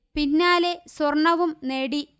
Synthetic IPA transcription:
pinːaːle̞swɐrɳɐʋumne̞ːɽi

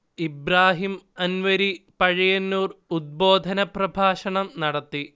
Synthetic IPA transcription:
ibɾaːɦimɐnʋɐɾipɐɻijɐnːuːrud̪̚boːd̪ʱɐnɐprɐbʱaːʂɐɳɐmnɐɽɐt̪ːi

